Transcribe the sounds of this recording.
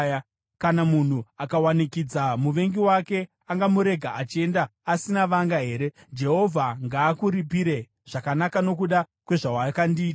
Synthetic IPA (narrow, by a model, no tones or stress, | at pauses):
a | kanamun̤uakawanikid͡zamuʋe̞ŋɡiwake̞ | aŋɡamuɾe̞ɡʱaat͡ʃie̞ndaasinaʋaŋɡaɦe̞ːɾe̞ | d͡ʒe̞ɦo̞vʱaŋɡaːkuɾip̬iɾe̞ | ʐ̥akanakano̞k̬uɗa | kwe̞ʐawakandiːta